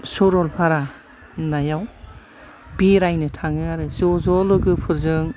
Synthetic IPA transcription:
sɔɾɔlpʰaɾa | najaw | biɾajnɯtʰaŋɯaɾɯzɔzɔlɯɡɯpʰɯɾzɯŋ

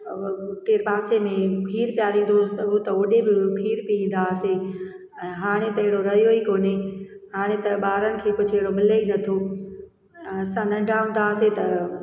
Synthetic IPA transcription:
t̪eːɾpaːsemẽkʰiːɾpijaɾĩːnd̪oʊt̪ɐoːɗebɪkʰiːɾpiĩːn̆d̪ase | ɛ̃ːɦaːɽ̃et̪ɐɪɦɪɽoɾɐɦijoikoːne | haːɽ̃et̪ɐɓaːɾənɪ̆kʰeːkʊd͡ʑʱɪɦɪɽomɪleinɐt̪ʰoː | sãnɐ̃ɖʱaːũnd̪aːset̪ɐ

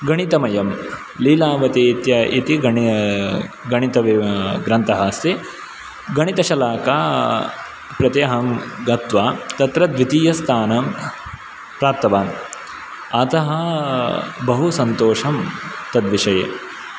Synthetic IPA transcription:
ɡɐɳit̪ɐmɐjɐm | liːlaːʋɐt̪it̪jɐit̪iɡɐ | ɡɐɳit̪ɐʋiɡɾɐnt̪ɐɦɐst̪i | ɡɐɳit̪ɐʃɐlaːkaː | pɾɐt̪jɐɦɐmɡɐt̪ʋaːt̪ɐt̪ɾɐd̪ʋit̪iːjɐst̪ʰaːnɐm | pɾaːp̚t̪ɐʋaːn | ɐt̪ɐɦɐ | bɐɦusɐnt̪oːʂɐmt̪ɐd̪ʋiʃɐjḛː

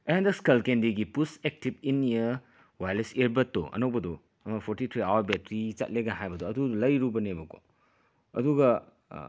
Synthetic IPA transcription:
ɐjandɐskɐlkendiɡipusek̚tib̚inːijɐ | wajleseɾbɐtːɔ̰ʔɐ̰nɐwbɐdɔ | ɐmɐpʰoɾtit̪ʰɾiawɐɾbetɾit͡ʃɐ̰t̚leɡaɦajbɐdɔɐdudulɐjɾubɐnebɐko̰ | ɐ̰duɡɐ

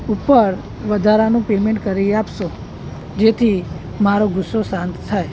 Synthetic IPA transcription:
upəɾ | ʋəd̪ʱaɾanũpemẽɳʈkəɾiapʃo | d͡ʒet̪ʰi | maɾoɡʊsːosãnt̪t̪ʰaj

